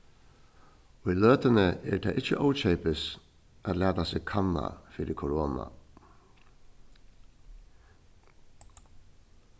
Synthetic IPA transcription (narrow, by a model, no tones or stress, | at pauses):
ɔiløːt̪ənəɛt̪ʰɛːʔɪt͡ʃəʔɔʊt͡ʃɛɪpəs | ʔæt̪læːt̪aseːkʰɑnːa̰fiːɾəkʰʊɾoːna̰